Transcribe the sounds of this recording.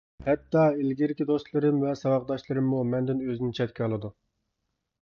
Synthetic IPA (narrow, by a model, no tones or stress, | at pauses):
hɛt̪ːɑelɡʲiɾɪkʲid̪ost̪lˠɨɾɨmvɛsɑwɑqd̪ɑʃlˠɨɾɨmːumɛnd̪ɪnøzɪnɪt͡ʃʰɛt̪kʲɛɑlˠɨd̪u